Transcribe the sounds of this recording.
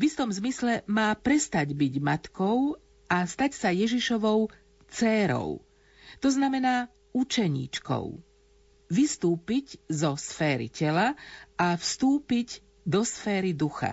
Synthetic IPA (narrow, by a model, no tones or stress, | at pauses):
vist̪ɔmzmislɛmaːpɾɛst̪aɟbiɟmat̪kɔʊ | ʔast̪acsajɛʒiʃɔʋɔʊ | t͡sɛːɾɔ̰ʊ | t̪ɔznamɛnaː | ut͡ʃɛɲḭːt͡ʃkɔ̰ʊ | ʋist̪uːpiɟzɔsfɛːɾḭcɛlaafst̪uːpiɟ | d̪ɔsfɛːɾid̪uxa̰